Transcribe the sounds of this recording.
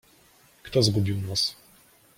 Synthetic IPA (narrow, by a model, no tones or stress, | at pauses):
kt̪ɔzɡubʲiwnas